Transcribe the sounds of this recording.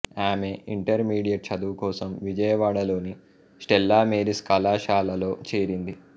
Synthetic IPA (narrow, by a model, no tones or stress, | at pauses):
aːmeiɳʈɐɾmiːɽijɐʈ̚t͡ʃɐd̪uːkɔːsɐmʋid͡ʒɐjɐʋaːɽɐlo̞ːni | sʈɛlːaːmeːɾiskɐlaːʃaːlɐlo̞ːt͡ʃeːɾind̪i